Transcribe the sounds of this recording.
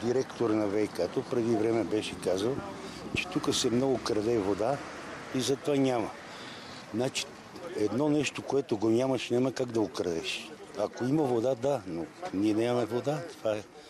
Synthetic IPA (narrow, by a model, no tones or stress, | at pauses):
d̪iɾɛkt̪oɾənɐvɛjkat̪opɾɛd̪ivɾɛmɛbɛʃɛkazəlˠt͡ʃɛ̥t̪ukəsɛmnɔɡokɾɐd̪ɛvod̪a | izɐt̪ovanʲamɐ | nat͡ʃi̥ | ɛd̪nɔnɛʃt̪okoɛt̪oɡoɲʲamɐʃnʲaməkaɡd̪ɐɡokɾɐd̪ɛʃɐkoimɐvod̪ad̪anoniɛnɛmɐmɛvod̪at̪ov̥aɛ